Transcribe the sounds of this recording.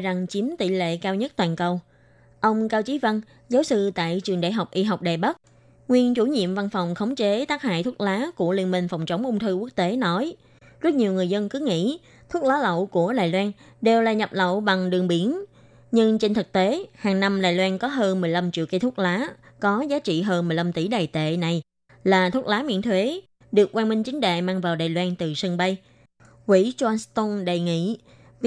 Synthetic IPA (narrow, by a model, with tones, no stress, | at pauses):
za˨˩ŋt͡ɕi˨˦əmt̪ḭ˧˨lḛ˧˨kaː˧wɲə˦˥t̚t̪waː˨˩nkə˧˩w | ʔə˧wŋ͡mkaː˧wt͡ɕi˨˦və˧n | zaː˨˦wsɨ˧t̪a̰ː˧˨jt͡ɕɨ˨˩əŋɗa̰ː˧˨jɦa˨˩wk͡p̚ʔi˧ɦa˨˩wk͡p̚ɗaː˨˩jɓə˦˥t̚ | ŋwi˧ənt͡ɕu˧˩ɲḭ˧˨əmva˧nfa˨˩wŋ͡mxə˨˦wŋ͡mt͡ɕe˨˦t̪aː˦˥k̚ha̰ː˧˨jt̪ʰu˦˥k̚laː˨˦ku˧˩əli˧ənmï˧ŋ̟fa˨˩wŋ͡mt͡ɕə˨˦wŋ͡mʔʊ˧ŋ͡mt̪ʰɨ˧ku˦˥ək̚t̪e˨˦nɔ˨˦j | zə˦˥t̚ɲi˨˩əŋɨ˨˩əjzə˧nkɨ˨˦ŋḭ˧˥ | t̪ʰu˦˥k̚laː˨˦lə̰˧˨wku˧˩əɗaː˨˩jlwaː˧nɗe˨˩wlaː˨˩ɲə˨˩p̚lə̰˧˨wɓa˨˩ŋɗɨ˨˩əŋɓi˨˦ən | ɲɨ˧ŋt͡ɕe˧nt̪ʰɨ˨˩k̚t̪e˨˦haː˨˩ŋna˧mɗaː˨˩jlwaː˧nkɔ˨˦ɦəː˧nmɨ˨˩əjla˧mt͡ɕḭ˧˨əwki˧t̪ʰʊ˦˥t̚laː˨˦kɔ˨˦zaː˨˦t͡ɕḭ˧˨ɦəː˧nmɨ˨˩jla˧mt̪i˧˩ɗaː˨˩jt̪ḛ˧˨na˨˩j | laː˨˩t̪ʰu˦˥t̚laː˨˦mḭ˧˨ənt̪ʰwe˨˦ | ɗɨ˨˩ək̚kwaː˧nmï˧ŋ̟t͡ɕï˨˦ŋ̟ɗḛ˧˨maː˧ŋvaː˨˩wɗaː˨˩jlwaː˧nt̪ɨ˨˩si˧ŋɓə˧j | kwḭ˧˥t͡ɕɔ˧nst̪o˧nɗə˨˩jŋḭ˧˨